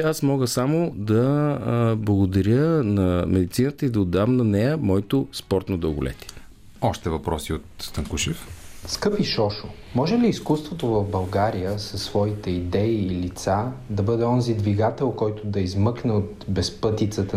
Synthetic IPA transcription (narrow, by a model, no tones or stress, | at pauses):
asmɔɡəsamod̪ɐ | blˠɐɡod̪ɐɾʲənɐmɛd̪it̪sinət̪əid̪ɐod̪ːavmnɐnɛjəmɔɛt̪ospɔɾt̪nod̪ɐɡʊ̰lɛ̰t̪ʲiɛ | ɔʃt̪ɛvɐpɾɔsiot̪st̪əŋkuʃifskɤpiʃɔʃʊ | mɔʒɛliːskust̪vot̪ovɐvbɐlˠɡaɾijəsəsːvɔit̪ɛid̪ɛiːlit̪sad̪ɐbɤd̪ɛɔnzid̪viɡat̪ɛlˠkɔjt̪ʊd̪ɐizmɤknɛot̪bɛspɤt̪it̪sət̪ə